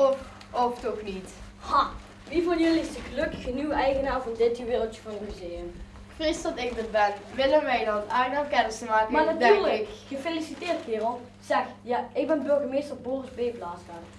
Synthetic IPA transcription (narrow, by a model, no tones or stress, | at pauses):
ɔf | ɔftɔxnit | hɑ | ʋivɑnjɵliɪstəɣəlɵkəxənywɛjɣənaːɹvɔndɪtəʋɪːrəl̩ˠtjəvɑnəmyzeːəm | kfrɪstɑnɪk̚bətbɛnʋɪlənʋɛjdɑnaːnaːkɛnəsəmaːkəmaːnatyːɹləkxəfelisitɪːrthɪːrɔ | z̥ɛxjaɪɡ̚bɛnbøɹɣəmejstərbɔrsbeːblaːsfan